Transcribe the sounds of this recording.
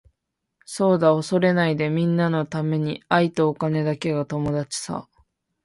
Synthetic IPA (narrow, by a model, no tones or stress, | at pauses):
so̞ːd̪ao̞so̞ɾe̞naid̪e̞mʲĩnːano̞t̪ame̞ɲ̟iait̪o̞ːkane̞d̪ake̞ɡat̪o̞mo̞d̪at͡ɕi̥sa̰